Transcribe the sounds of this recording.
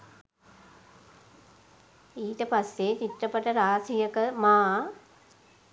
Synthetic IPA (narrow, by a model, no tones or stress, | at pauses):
iːʈəpasjet͡ʃiʈːɐpəʈəɾaːsijəkəmaː